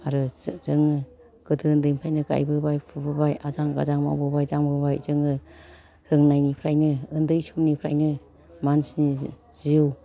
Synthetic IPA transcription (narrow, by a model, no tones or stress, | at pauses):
aɾɯz̥ɯŋɯ | ɡ̥ɯdɯndɯjmpʰajnɯɡa̰jbɯbajpʰubɯbajazaŋɡa̰zaŋma̰wbɯbajdaŋbɯbajzɯŋɯ | ɾɯŋnajnipʰɾajnɯɯndɯjsumnipʰɾa̰jnɯ | mansni | z̥iw